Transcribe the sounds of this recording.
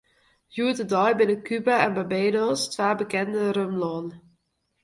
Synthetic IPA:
juətədɔjbɪnəkʰybaɛnbəbeːdostʋaːbəkɛndəɾømlɔn

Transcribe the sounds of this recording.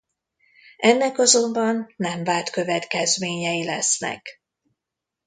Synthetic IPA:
ɛnːɛkɒzo̞mbɒnːɛɱvaːlt̪kø̞vɛt̪kɛzmeːɲɛjilɛsnɛ̰k

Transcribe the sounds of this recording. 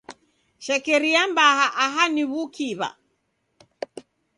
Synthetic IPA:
ʃɛkɛɾiambahaʔaɦaniβukʰiβa̰

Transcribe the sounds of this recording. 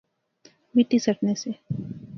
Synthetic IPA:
miʈisɐʈnese

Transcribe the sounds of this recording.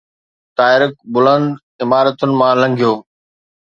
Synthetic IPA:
t̪aːɪɾɪk̚bʊlə̃nd̪ | ɪmaːɾət̪ʊnɪ̆mãːlɐ̃ŋɡʱijoː

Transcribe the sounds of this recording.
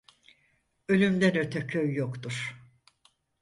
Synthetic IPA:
ø̞lʲymd̪ænø̞t̪ʰɛcʰøjːokt̪uɾ̥

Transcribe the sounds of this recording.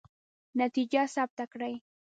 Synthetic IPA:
nat̪ɪʎasap̚t̪akɾaj

